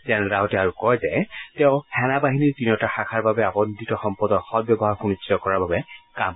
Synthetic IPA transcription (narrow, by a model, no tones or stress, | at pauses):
zɛnɾaʊtɛaɹukɔjzɛtɛʊ̃hɛnabaɦiniɹtinɔtaxakʰaɹbabɛabɔnd̪ʱitɔxɔmpɔdɔxɔt̚bjɔbɔɦaɹxunisitɔkɔɹaɹbabɛkam